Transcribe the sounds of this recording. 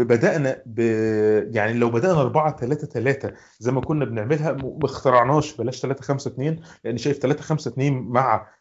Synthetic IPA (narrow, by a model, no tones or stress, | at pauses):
bebæd̪æʔnæbejaʕnilæwbæd̪æʔnæʔɑɾˤbɑʕɑt̪ælæːt̪æt̪ælæːt̪æ | zæjmækonːæbeneʕmelɦæmext̪ɑɾˤɑʕnɑːʃbælæːʃt̪ælæːt̪æxæmsæt̪neːnleʔenːiʃæːjeft̪ælæːt̪æxæmsæt̪neːnmaʕæ̰